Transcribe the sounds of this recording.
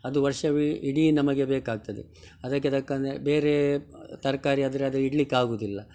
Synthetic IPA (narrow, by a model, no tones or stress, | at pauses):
ɐd̪uʋɐɾʂɐʋiiɽinɐmɐɡe̞beːkaːɡ̚t̪ɐd̪ḛ | ɐd̪ɐkːeɐd̪ɐkːɐnd̪ebeːɾet̪ɐɾɐkaːɾiɐd̪ɐɾeɐd̪uiɽlikːaːɡoːd̪ilːɐ